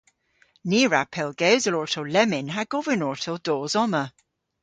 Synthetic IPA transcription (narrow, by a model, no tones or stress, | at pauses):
niːɹapʰɛlˠɡ̥ewzəlɔɹtʰowlɛmɪnɦaɡ̥ɔvənɔɹtʰəlˠd̥ɔːzɔmə